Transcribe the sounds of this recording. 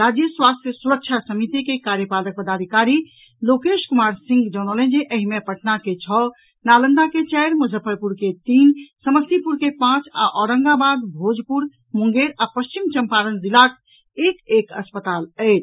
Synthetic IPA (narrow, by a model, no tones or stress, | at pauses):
ɾad͡ʒjəswast̪ʰjəsuɾək̚t͡ʃʰasəmit̪ikekaɾjəpalək̚pəd̪ad̪ʱikaɾi | lokeʃkumaɾsĩŋɡd͡ʒɔñələ̃nd͡ʒeʔəɦimepəʈnaket͡ʃʰɔ | nalənd̪aket͡ʃɛɪɾməd͡ʒʱəpʰəɾpuɾket̪insəməst̪ipuɾkepãt͡ʃa̰ʔɔːɾəŋɡabad̪bʱod͡ʒpuɾ | muŋɡeɾapəst͡ʃimt͡ʃəmpaɾənd̪ilak | ekekə̰spət̪aləɪt͡ʃʰ